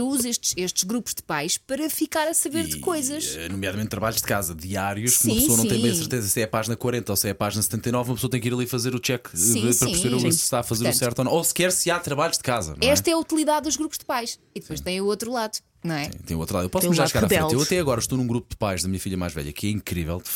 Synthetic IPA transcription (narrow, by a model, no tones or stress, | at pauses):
ewuzeʃt̪ʃeʃt̪ʒɣɾupu̥ʒd̪ɨpajʃpɐɾɐfikaɾɐsɐβeɾðɨkojzɐʃnumjaðɐmẽnt̪ːɾɐβaʎuʒd̪ɨ̥kazɐd̪iaɾjuʃkumɐ̃psoɐnɐ̃t̪j̃mɐ̃ɐsɨɾ̃t̪ezɐsɛpaʒinɐkwɐɾẽnt̪ɐosɛpaʒinɐsɨt̪ẽnt̪ɐjnɔvumɐpsoɐt̪ɐ̃j̃kiɾɐlˠifɐzeɾut͡ʃɛkĩpɾɐĩɾseɾuupsʃt̪aɐfɐzzeɾsɛɾt̪ɔnɐ̃osɨ̥kɛɾsɨat̪ɾɐβaʎuʒd̪ɨkazɐ̰nɐ̃ɛʃɛt̪ɐɛɐut̪ilˠiðaðd̪uʒɣɾupuʒðɨpajʃ | iðpojʃt̪ɐ̃j̃uot̪ɾulˠaðu | nɐ̃w̃ɛ̰̃t̪ɐ̰̃j̃uot̪ɾlaðepɔsmɐʒaɾʃkɣaʁɾaðfɛẽlˠewɐt̪ɛɐɣɔɾɐʃt̪onũɡɾupud̪ɨpajʒðɐmiɲɐfiʎɐma̰jʒvɛ̰ʎɐ̰kʰɛĩkɾivɛ̰lˠd̪